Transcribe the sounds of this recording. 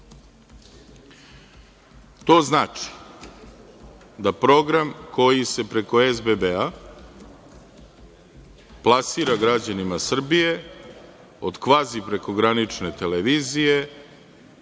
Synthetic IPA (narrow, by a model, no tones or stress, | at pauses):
t̪o̞ːznaːt͡ʃi̥ | d̪apɾo̞ɡɾamko̞jise̞pɾe̞ko̞ezbebea | plˠasiːɾaɡɾad͡ʑanimasr̩bije̞ | o̞d̪kʋaːzipɾe̞ko̞ɡɾanit͡ʂne̞t̪e̞leʋiːzije̞